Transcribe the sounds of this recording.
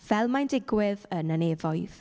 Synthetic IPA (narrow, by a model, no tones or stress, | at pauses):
v̥ɛlˠmajndɪɡwɪðənəneːvɔjð̥